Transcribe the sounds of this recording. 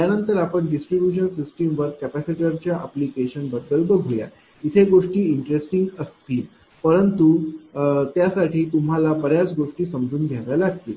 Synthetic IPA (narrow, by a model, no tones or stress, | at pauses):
t̪janənt̪əɾapəɳɖisʈɾibjuɕ̬ənsisʈemʋəɾkæpæsiʈəɾt͡ɕjaʔaplikeɕənbəd̪ːəlt̪əɡʱoja̰ | it̪ʰeɡoʂʈiːiɳʈɾesʈiŋɡəst̪iːl | pəɾənt̪u | t̪jasaʈʰiːt̪um̤ɦalapəɾjad͡zɡoʂʈiːsəmd͡zuːnd̪ʱjaʋajlaɡ̚t̪ḭːl